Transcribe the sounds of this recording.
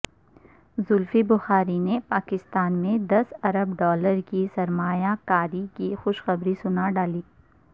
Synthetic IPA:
zʊlfibʊxaːɾinepaːkɪst̪aːnmẽd̪ɐsɐɾəbɖɔːləɾkisɐɾmaːjakaːɾikixʊʃxɐbɾisʊnaɖaːliː

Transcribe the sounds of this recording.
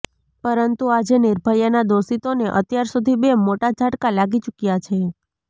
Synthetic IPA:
pəɾənt̪uad͡ʒenɪɾbʱəɾjənad̪osit̪oneʔə̰t̪jaɾsud̪ʱibemoʈad͡ʒʱaʈkalaɡit͡ʃukjat͡ʃʰe

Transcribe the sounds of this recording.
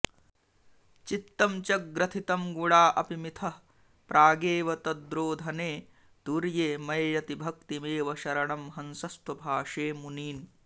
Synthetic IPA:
t͡ʃit̪ːɐmt͡ʃɐk̚ɡɾɐt̪ʰit̪ɐmɡuɽaːʔɐpimit̪ʰɐ | pɾʔaːɡeːʋɐt̪ɐd̪ɾoːd̪ʱɐneː | t̪uɾjeːmɐjjɐt̪ibʱɐk̚t̪imeːʋɐʃɐɾɐɳɐmɦɐnsɐst̪ɐbʱaːʂeːmuniːn

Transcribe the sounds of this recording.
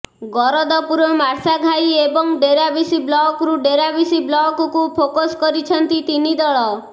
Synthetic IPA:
ɡɔɾɔd̪ɔpuɾɔmaɾsaɡʱajebɔŋɖeɾabisiblɔkɾuɖeɾabisiblɔkɔkupʰokoskɔɾit͡ʃʰɔnt̪it̪inid̪ɔɭɔ

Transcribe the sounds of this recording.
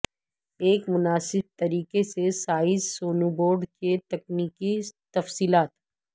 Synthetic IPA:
eːkmʊnaːsɪb̚t̪ɐɾiːkesesaːɪzsoːnuboːɾɖket̪ɐkniːkit̪ɐfsiːlaːt̪

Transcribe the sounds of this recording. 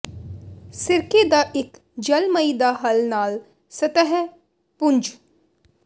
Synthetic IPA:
sɪɾked̪aʔɪk | d͡ʒɐlməid̪aɦɐlnaːl | sɐt̪əɦ | pʊnd͡ʒ

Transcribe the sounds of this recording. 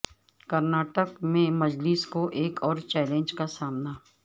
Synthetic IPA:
kɐɾnaːʈəkmẽmɐd͡ʒlɪskoʔeːkɔːɾt͡ʃɛːlẽːnd͡ʒkasaːmna

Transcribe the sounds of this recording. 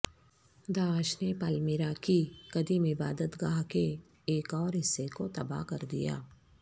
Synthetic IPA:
d̪aːʃnepalmeːɾakiɡ̥ɐd̪imɪbaːd̪ət̪ɡaːɦkeː | kɔːɾɦɪsːekot̪ɐba̰ɦkɐɾd̪ija̰ː

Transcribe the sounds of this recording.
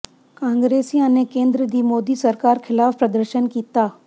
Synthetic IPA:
kãːŋɡɾeːsiãːnekẽːnd̪ɾəd̪iːmoːd̪isɐɾkaːɾxʰɪlaːfpɾɐd̪əɾʃənkiːt̪aː

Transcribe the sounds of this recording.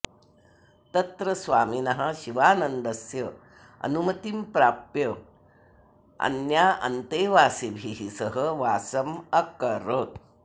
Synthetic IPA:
t̪ɐt̪ɾəsʋaːminɐɦaɕiʋaːnənd̪əsjə | ɐ̰numɐt̪impɾaːpjə | ɐ̰njaʔɐ̰nt̪eʋaːsebʱiɦisəɦəʋaːsɐmɐkəɾoːt̪

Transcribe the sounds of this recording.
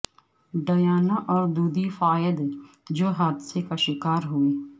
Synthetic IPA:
ɖəjaːnaʔɔːɾd̪uːd̪ifaːjəd̪ | d͡ʒoːɦaːd̪sekaʃɪkaːɾɦʊeː

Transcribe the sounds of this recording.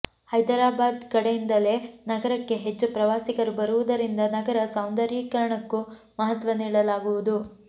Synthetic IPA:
hɐjd̪ɐɾaːbaːd̪kɐɽejind̪ɐle̞nɐɡɐɾɐkːe̞ɦe̞t͡ʃːupɾɐʋaːsikɐɾubɐɾuʋud̪ɐɾind̪ɐnɐɡɐɾɐsɐwnd̪ɐɾiːkɐɾɐɳɐkːu | mɐɦɐt̪ʋɐniːɽɐlaːɡuʋud̪u

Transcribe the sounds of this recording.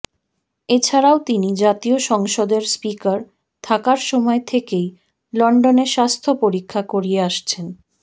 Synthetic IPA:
et͡ɕʰaɾaot̪inid͡ʑat̪ioʃɔŋʃod̪eɾspikaɾ | t̪ʰakaɾʃɔmɔet̪ʰekej | lɔɳɖoneɾʃast̪ʰopoɾikʰːakoɾijeaʃt͡ɕʰen

